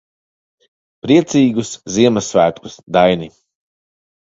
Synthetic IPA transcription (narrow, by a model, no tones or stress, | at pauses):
pɾiɛt̪siːɡusziɛmasvæːt̪kusd̪ajni